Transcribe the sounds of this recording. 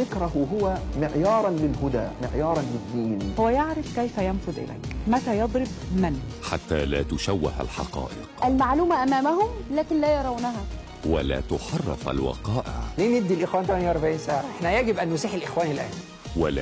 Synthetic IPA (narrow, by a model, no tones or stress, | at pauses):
ɪkɾɑhʊɦʊwæmɪʕjɑːɾˤɑnlɪlɦʊd̪æːmɪʕjɑːɾˤɑnlɪd̪ːiːnhowæjeʕɾɪfkæjfæjænfʊd̪ʔɪ̰læ̰jkmæt̪æːjɑd̪ˤɾɪbmænħat̪ːaːlæːt̪ʊʃæwːɪha̰lħɑ̰qɑ̰ːʔɪqʔælmaʕluːmæʔæmæːmæhʊmlæːkɪnlæːjɑɾˤɑwnæɦæ | wa̰læ̰ːt̪ʊħɑrˤːɪ̰fa̰lwɑ̰qɑːʔɪ̰ʕleːneb̚d̪ːilʔɪxwæːnt̪æmnjʔɑɾˤbaʕiːnsaːʕaʔeħnæjæɡɪbʔænːuːsiːħelʔɪxwæːnilʔæːn | wal